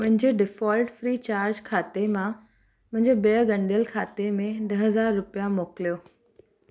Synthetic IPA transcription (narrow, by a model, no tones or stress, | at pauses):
ʊ̃ɦɪ̃ɲd͡ʑeɖɪfɔːlʈfɾiːt͡ɕaːɾd͡ʑkʰaːt̪emã | mʊ̃ɦɪ̃ɲd͡ʑebiəɡɐ̃ɳɖijəlkʰaːt̪emẽɖɐɦɦɐzaːɾːʊpijamoːkɪlijoː